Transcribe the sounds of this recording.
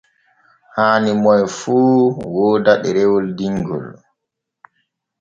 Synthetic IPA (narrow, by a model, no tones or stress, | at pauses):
haːnimɔjfuːwɔːdaɗɛɾɛwɔldiŋɡɔ̰l